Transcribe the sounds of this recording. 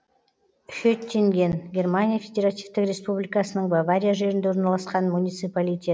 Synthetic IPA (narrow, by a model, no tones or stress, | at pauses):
ʏʃet̪ʰːe̞ŋɡʲe̞nɡʲe̞rmanʲijafʲe̞d̪ʲe̞ɾat̪ivt̪ɪkɾʲe̞spublʲijkɑsənəɴbavaɾʲijaʒe̞ɾɪnd̪e̞o̞ɾnɑlˠɑsqɑnmunʲijt̪sɨpalʲijt̪ʲe̞t̪